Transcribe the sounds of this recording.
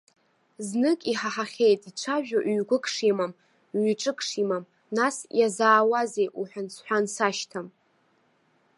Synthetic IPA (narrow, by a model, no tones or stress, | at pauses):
znɨkʼiħaħaχʲejtʼiʈ͡ʂʷʰaʒᶣaʔɥɡʷʊkʰʼʂimam | ɥiʈ͡ʂʼɨkʰʼʂimam | nasjazaːwaze̞jʔuħʷᶣansʰħʷᶣansaʃtʰam